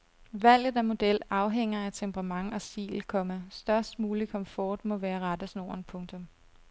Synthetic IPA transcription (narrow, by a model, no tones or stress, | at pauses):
ʋæl̰ð̩ˠæmo̝d̥el̰ɑ̈ʊɦeŋ̰ɐæt͡sʰempʁɑ̈mɑ̈ŋɒ̽sḭːl̩kʰɒ̽məsd̥ɶɐsd̥muːlikʰɒ̽mfɒːd̥mɔ̽ʋæːɐʁɑd̥əsno̝̰ːɐnpʰɔ̽ŋt͡sʰɔ̽m